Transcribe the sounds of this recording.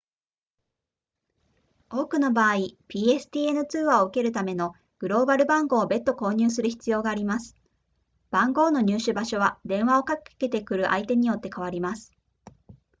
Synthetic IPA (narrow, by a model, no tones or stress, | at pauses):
o̞ːkɯ̟no̞baːipʲiːe̞sɨ̥t̪ʲiːe̞nɯ̟t͡sɨːβaoɯ̟ke̞ɾɯ̟t̪ame̞no̞ | ɡ̥ɯ̟ɾo̞ːbaɾɯ̟bãŋɡo̞ːbe̞t̪ːo̞ko̞ːɲ̟ɨːs̬ɨɾɯ̟çi̥t͡sɨjo̞ːɡaːɾʲimasɨ̥ | b̥ãŋɡo̞ːno̞ɲ̟ɨːɕɨbaɕo̞βad̪ẽ̞ɰ̃β̞ao̞kakke̞t̪e̞kɯ̟ɾɯ̟ʔa̰it̪e̞ɲ̟ijo̞t̪ːe̞kaβ̞aɾʲimasɨ̥